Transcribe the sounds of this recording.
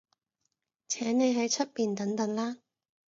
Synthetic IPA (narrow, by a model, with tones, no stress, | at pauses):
t͡sʰɛː˨˥nne˨˧jɦɐ˨˥jt͡ʃʰɵ˥t̚piː˨˧nt̪ɐ˨˥ŋt̪ɐ˨˧˥ŋlaː˥